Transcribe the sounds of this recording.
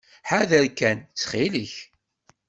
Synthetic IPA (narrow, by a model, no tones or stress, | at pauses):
ħaðəɾkænt͡sːχiləç